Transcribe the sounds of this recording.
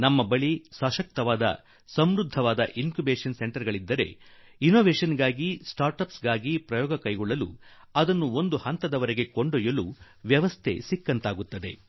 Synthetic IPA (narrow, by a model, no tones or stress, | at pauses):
nɐmːɐbɐɭisɐːʃɐk̚t̪ɐʋaːd̪ɐ̰ | sɐmɾud̪ʱːɐʋaːd̪ɐ̰ʔinkjubeːʂɐnse̞ɳʈɐɾɡɐɭid̪ːɐɾe̞̰inoːʋeːʃɐnɡaːɡisʈaːɾʈɐpsɡaːɡipɾɐjɔːɡɐkɐjɡɔɭːɐlṵ | ɐd̪ɐnːuo̞nd̪uhɐnt̪ɐd̪ɐʋɐɾeɡe̞ko̞ɳɖojɐlu | ʋjɐʋɐst̪ʰe̞̰sikːɐnt̪aːɡut̪ːɐd̪e̞